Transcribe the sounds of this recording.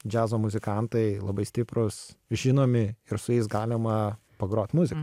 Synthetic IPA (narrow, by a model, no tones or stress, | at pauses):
d͡ʒʲæːzoːmʊzʲɪkɑnt̪ɐɪlˠɐbɐɪsʲt̪ʲɪpɾʊsʒʲɪnoːmʲɪɪɾsʊjɛɪsɡɑːlʲɪmɐ | pɐɡɾoːt̪ʲmʊzʲɪkɐ